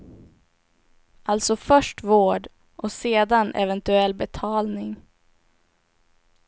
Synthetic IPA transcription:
ʔalt̪sɔfœʂʈvoːɖ | ʔɔseːd̪anʔɛ̰vɛnt̪ɵɛlːbɛt̪ʰɑːlnɪŋ

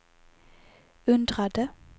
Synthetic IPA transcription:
ʉnd̪ʁad̪ə

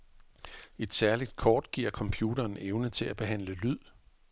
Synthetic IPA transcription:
e̝d̥sæɐlid̥̚kʰɒːd̥ɡ̥ḭɐkʰɒ̽mpʰjuːdɐːneʊnət͡sʰe̝læb̥e̝ɦæn̰ləlyð̰ˠ

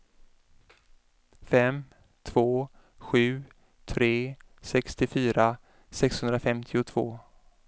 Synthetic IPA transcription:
fɛm | t̪ʰv̥oː | ɧʉ̟ː | t̪ʰɾeːsɛkst̪ɪfyːɾa | sɛkshɵnd̪ɾafɛmt̪ʰɪʊt̪ʰv̥o̰ː

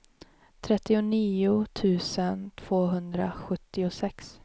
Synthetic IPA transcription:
t̪ʰɾɛt̪ːɪʊniːʊt̪ʰʉ̟ːsənt̪ʰv̥oːɦɵnd̪ɾa̰ɧɵt̪ːɪʊsɛks

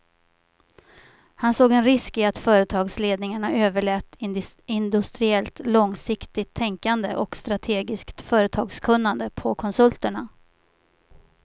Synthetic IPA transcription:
hansoːɡɛnɾɪskɪat̪fœːɾət̪ʰɑːɡsleːd̪nɪŋaɳaøːvəɭɛːt̪ɪnd̪ɵst̪ɾɪɛlt̪lɔŋsɪkt̪ɪt̪ʰːɛŋkand̪ə̰ʔɔkst̪ɾat̪ʰeːɡɪskt̪fœːɾət̪ʰɑːɡskʰɵnːand̪əpʰɔkʰɔnsɵlt̪əɳa

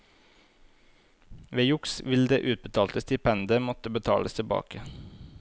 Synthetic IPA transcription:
ʋeːjʊksʋɪld̪eːʔʉːt̪̚bət̪ʰɑːlt̪əst̪ɪpʰɛnd̪əmɔt̪əbət̪ʰɑ̰ːləst̪ʰɪbɑ̰ːkə

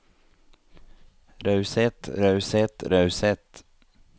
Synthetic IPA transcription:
ɾœʉsɛt̪ɾœʉsɛt̪ɾœʉsɛt̪

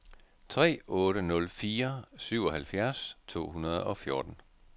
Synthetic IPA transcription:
t͡sʰʁɛ̰ːɔ̽ːɾənɔ̽lfiːɐsyʊ̰ɒ̽hælfjæɐst͡sʰo̝̰ːhunɐð̞ˠɒ̽fjo̝ɐd̥n̩

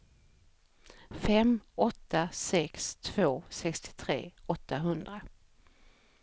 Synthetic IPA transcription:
fɛmɔt̪ʰːasɛkst̪ʰv̥oːsɛkst̪ʰɪ̥t̪ʰɾḛːɔt̪ːaɦɵnd̪ɾa

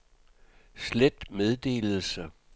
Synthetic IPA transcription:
sled̥með̞ˠd̥e̝̰ːlð̩ˠsə

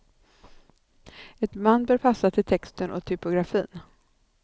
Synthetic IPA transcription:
ɛt̪manːbœːɾpʰasːat̪ʰɪlt̪ʰɛkst̪ənʔɔ̰t̪ʰʏpʊɡɾafḭːn

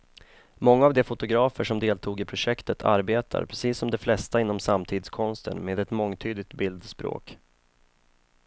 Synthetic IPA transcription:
mɔŋːaːvd̪ɛfʊt̪ʊɡɾɑːfəʂɔmd̪eːlt̪ʰuːɡɪpʰɾʊʂɛkt̪ət̪ʰa̰ɾbeːt̪ʰa̰ɾpʰɾɛsiːsːɔmd̪ɛflɛst̪aɪnːɔmsamːt̪ʰiːd̪skʰɔnst̪ə̰nmeːd̪ɛt̪mɔŋːt̪ʰyːd̪ɪɡ̚t̪bɪld̪spɾo̰ːk

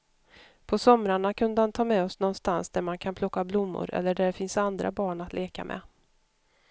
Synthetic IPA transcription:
pʰɔsɔmɾaɳakʰɵnd̪əhant̪ʰɑːmɛɔsnɔnst̪ansd̪æɾmankʰanpʰlɔkːablʊmːʊ̰ɾʔɛ̰lːəɖæɖɛfɪnsand̪ɾa̰bɑːɳat̪lʔeːka̰mʔɛ̰

